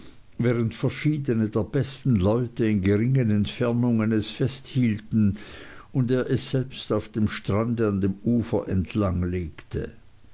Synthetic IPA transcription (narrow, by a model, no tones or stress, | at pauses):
vɛːʁ̞əntfɛɐʃiːdənədeːɐb̥ɛstn̩lɔʏtəɪnɡəʁɪŋənɛntfɛɐnʊŋənɛsfɛsthiːltn̩ʊndeːɐʔɛsz̥ɛlpstaʊfd̥eːmʃtʁ̥andəandeːmuːfɐ̰ʔɛntʰlaŋleːktʰə̰